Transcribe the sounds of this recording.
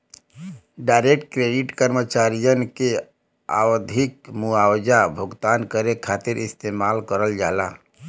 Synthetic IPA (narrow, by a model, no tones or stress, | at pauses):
ɖaɪɾek̚ʈkɾeːɖɪʈkəɾmət͡ʃaːɾijənke | a̰ːwəd̪ʱɪk̚muaːwd͡ʒabʱʊɡt̪aːnkəɾekʰaːt̪ɪɾɪst̪eːmaːlkəɾəld͡ʒaːlaː